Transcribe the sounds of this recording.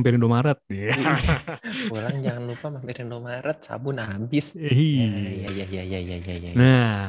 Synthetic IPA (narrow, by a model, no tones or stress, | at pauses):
mpɛɾindomaɾət̪̚ja | pulaŋd͡ʒaŋanlupamampiɾindomaɾət̪̚sa̰bʊnabɪsɦijajajajajajajana